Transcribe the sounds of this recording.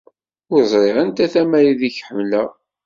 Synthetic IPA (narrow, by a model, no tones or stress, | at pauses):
ʊɾzˤɾeʁənt̪æθæmæɾiðiçħəmlə